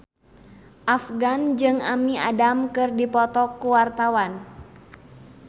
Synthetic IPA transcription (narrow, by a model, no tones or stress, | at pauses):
ʔafɡand͡ʒɨŋamia̰damkɨrdipɔt̪ɔkːuwart̪awan